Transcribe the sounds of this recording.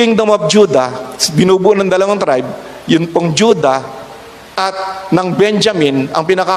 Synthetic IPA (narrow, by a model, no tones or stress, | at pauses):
ɪŋd̪ɐmap̚d͡ʒuːd̪ɐbɪnubʊʔnɐŋd̪ɐlɐwaŋt̪ɾajb̚ | jʊnpoŋd͡ʒud̪ɐ | ʔɐt̪̚nɐŋbɛnd͡ʒɐmɪnɐ̰ŋpɪnɐka